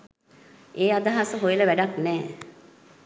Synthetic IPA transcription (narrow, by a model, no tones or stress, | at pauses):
ʔeːad̪aɦasəɦojələʋæɖaknɛː